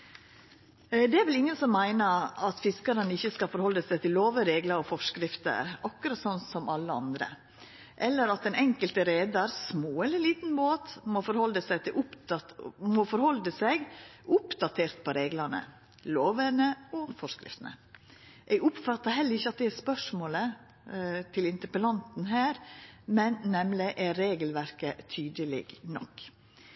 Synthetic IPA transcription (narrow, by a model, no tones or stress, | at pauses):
d̪ɛæɾʋɪlɪŋːənsɔmːæɪnəɾɑt̪fɪskəɾənəɪçːəskɑlfɔɾhɔlːəsæɪt̪ʰɪlːoːʋəɾeːɡləɾɔfɔʂkɾɪft̪ə̰ɾɑkːʉɾɑt̪sɔnsɔmʔɑlːəɑ̰nd̪ɾə̰ | ʔɛlːəɾɑt̪̚d̪ɛnɛŋkəlt̪əɾeːd̪ɑɾsmoːɛlːəɾɭiːt̪nboːt̪moːfɔɾhɔld̪əsæɪt̪ʰɪlʔʊp | mɔːfɔɾhɔld̪əsɛɡʊpd̪ɑt̪ʰeːɾt̪pʰɔɾeːɡlənə̰ | loːʋənəɔfɔʂkɾɪ̰ft̪nə̰ʔɛɡʊpfɑt̪ːɑɾɦɛlːəɾɪçːəɑt̪̚d̪ɛæspœʂmoːlə | t̪ʰɪlɪnt̪əɾpəlɑnt̪n̩ɦæːɾmɛnːɛmlɪʔæɾeːɡəlʋæɾkət̪ʰyːd̪əlɪ̰ɡnɔ̰kː